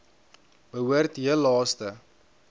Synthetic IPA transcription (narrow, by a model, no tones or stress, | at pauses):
bəɦuərtɦiəlɑːstə